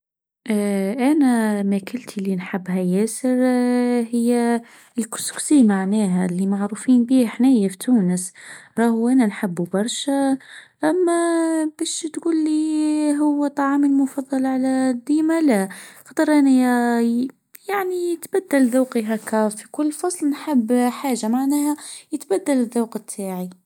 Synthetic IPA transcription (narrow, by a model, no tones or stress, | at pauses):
ʔʔænæmækɪlt̪ʰilinħabːɦæjæːsəɾhɪjːæ | lkʊ̥sksimaʕnæːɦælːimaʕɾuːfiːnbiːhħnæːjæfit̪uːnəsɾˤɑːhʔænænħabːubɑɾˤʃæʔæmːæbæʃt̪ɡuːlːiɦʊwːæt̪ˤːɑʕɑːməlmʊfɑðˤːɑlʕalæd̪ːiːmælæqɑd̪əɾˤʔænæj | jaʕnijət̪bæd̪ːælðuːqiɦækæfikʊlːfɑsˤlnħəbːħaːʒamaʕnæːhæjət̪bæd̪ːæləðːuːqət̪ʰːaːʕi